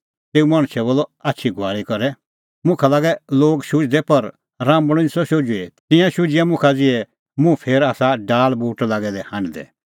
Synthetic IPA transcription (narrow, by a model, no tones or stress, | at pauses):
t̪eːumaːɽ̃ʃʰɛboːlɔatːʃʰiɡʱʊaːɾikɐɾɛ | mʊ̃kʰalaːɡɛloːɡʃʊd͡ʒd̪ɛpɐɾ | ɾãːmbɽ̃ʊ̃nsɔʃod͡ʒʊet̪ɪ̃jãʃʊd͡ʒɪamʊ̃kʰad͡zɪɛ | mũpʰeːɾaːsaɖaːlbuːʈlaːɡɛd̪ɛhãːɖd̪ɛ̰